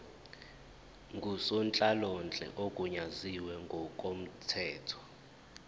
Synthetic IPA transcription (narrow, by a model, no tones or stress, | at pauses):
ŋɡʱusɔnt͡ɬʼalɔnt͡ɬʼɛ̰ʔokʼuɲaziwɛŋɡʱɔkʼom̩tʰɛːtʰɔ̥